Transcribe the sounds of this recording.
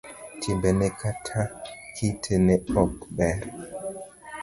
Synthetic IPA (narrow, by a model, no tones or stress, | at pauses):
tʰimbɛnɛkʰatʰakʰitʰenɛɔkɓɛɾ